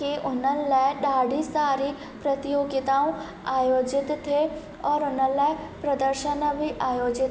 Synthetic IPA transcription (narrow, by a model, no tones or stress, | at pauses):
keʔʊnənlaɗaːɖʱisaːɾi | pɾɐt̪ijoːɡɪt̪aːũ | aːjoːd͡ʒɪt̪ʰːe | ɔːɾʊnələpɾɐd̪əɾʃənbʱiʔaːjoːd͡ʒɪt̪